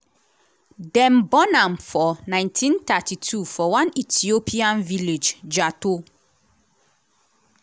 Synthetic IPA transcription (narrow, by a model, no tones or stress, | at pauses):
dɛ̃mbɔnãmfɔnãɪ̃ntʰĩnt̪atʰitʰufɔwãnitʰiopʰiãnviled͡ʒd͡ʒato